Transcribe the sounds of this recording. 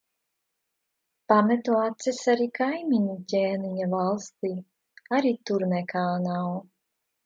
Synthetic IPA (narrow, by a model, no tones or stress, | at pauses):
pamɛt̪uat̪sisaɾiːkajmʲiɲicʲeːniɲavalˠst̪iː | aɾiːt̪uɾnɛkʰaːnaw